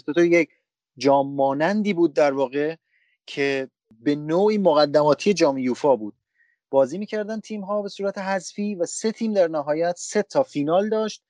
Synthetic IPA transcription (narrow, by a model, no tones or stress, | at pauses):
ot̪ojec | d͡ʒɒːmːɒːnænd̪iːbuːd̪̚ːæɾvɒːɣe̞ | cʰe̞ | be̞noːʔiːmoɣæd̪ːæmɒːt̪ʰije̞d͡ʒɒːmjuːfɒːbuːd̪̥̚ | b̥ɒːziːmiːcʰæɾd̪ænt̪ʰiːmɦɒːbe̞suːɾæt̪ʰe̞ɦæzfiːvæse̞t̪ʰiːmd̪æɾnæɦɒːjæt̪se̞t̪ʰɒːfiːnɒːld̪ɒːʃt̪̚